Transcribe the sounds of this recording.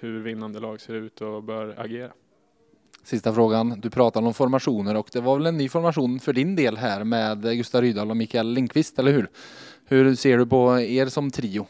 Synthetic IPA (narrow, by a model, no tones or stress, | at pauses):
hɵɾvɪnːand̪əlɑːɡseːɾʉ̟ːt̪ʰɔbœːɾa̰ɡeːɾa̰ | sɪst̪afɾoːɡand̪ɵpʰɾɑːt̪ad̪ɔmfɔɾmaʂuːnəɾɔkd̪ɛvaɾvɛlɛnːyːfɔɾmaʂuːnfœɖɪnd̪eːlɦæːɾmɛːd̪ɡɵst̪aɾyːd̪ɑlɔmiːkaɛlːɪŋkʰːvɪst̪ɛlːəɾhʉɾhɵɾseːɖɵpʰɔeːɾsɔmt̪ʰɾiːʊ